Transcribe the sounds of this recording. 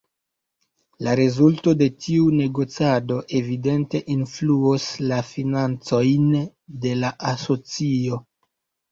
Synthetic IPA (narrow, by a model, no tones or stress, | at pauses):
laɾezulto̞de̞tiune̞ɡo̞t͡sado̞ʔe̞vide̞nte̞ʔinfluoslafinant͡so̞jn | de̞laʔaso̞t͡sio̞